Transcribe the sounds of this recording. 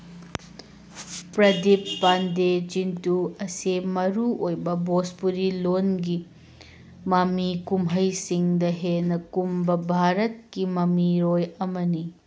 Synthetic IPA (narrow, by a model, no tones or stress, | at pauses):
pɾɐdipːanded͡ʒintuɐsemɐɾuojbɐbospuɾilonɡi | mɐmikumɦɐjsiŋdɐɦenɐkumbɐbʱaɾɐt̚kimɐmiɾojɐmɐni